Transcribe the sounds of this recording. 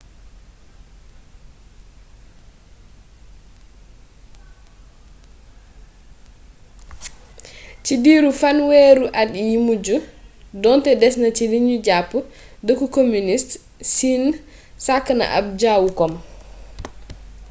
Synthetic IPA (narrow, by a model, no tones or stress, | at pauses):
t͡ʃidiːɾufanweɾuʔadjimud͡ʒudɔntɛdɛsnat͡ʃiliɲud͡ʒapːu | dəkukomunist | sin | sakːna̰ʔa̰b̚d͡ʒawukɔm